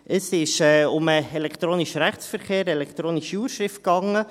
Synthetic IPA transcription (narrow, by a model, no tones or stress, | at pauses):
ʔəsɪʃɛːʊməelɛkt̪ɾoːniʃəɾæχt͡ssfəɾχeːɾɛlɛkt̪ɾoːniʃiuːɾʃɾɪft̚kɑŋə